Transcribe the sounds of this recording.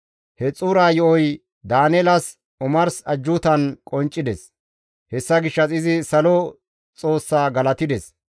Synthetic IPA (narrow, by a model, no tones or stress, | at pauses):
hɛt͡sʼuːɾaːjɔʔɔj | d̪aːnɛlɐs | ʊmɐɾsɐd͡ʒːʊt̪ɐnkʼɔnt͡ʃʼːɪd̪ɛs | hɛsːɐɡɪʃːɐsɪzɪsɐlɔ | t͡sʼo̞ːsːaːɡɐlɐt̪ɪd̪ɛs